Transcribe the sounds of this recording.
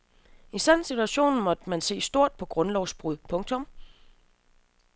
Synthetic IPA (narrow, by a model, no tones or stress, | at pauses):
isænsit͡sʰuæɕo̝̰ːnn̩mɒ̽d̥mænse̝̰ːsd̥o̝ɐ̰d̥̚pʰɒ̽ɡ̥ʁɔ̽nlɒʊsb̥ʁuðˠpʰɔ̽ŋt͡sʰɔ̽m